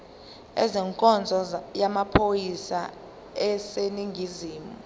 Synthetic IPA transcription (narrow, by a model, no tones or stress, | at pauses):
ɛ̰zɛŋkʼɔnd͡zʱɔjamapʰojisa | ɛseniŋɡʱiziːmu